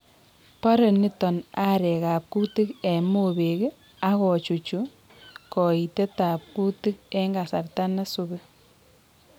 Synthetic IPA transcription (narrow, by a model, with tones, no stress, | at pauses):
pa˦ɾe˨ni˦tɔ˨na˦ɾɛ˨ka˨p̚ku˦ti˦kɛ˨mo˨βe˨k | a˦kɔ˨t͡ʃu˨t͡ʃu˨ | kɔ˨i˨te˦ta˨p̚ku˦ti˦k̚ɛ˦ŋɡa˨sa˨rta˦na˦suβe˦